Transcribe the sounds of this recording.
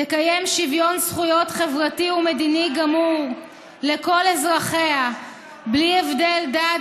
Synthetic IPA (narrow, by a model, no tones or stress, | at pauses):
tekaje̞mʃivjo̞nsχujo̞t̪χevʁatiume̞d̪iniɡamuʁ | leko̞lezʁaχe̞a | blievde̞lda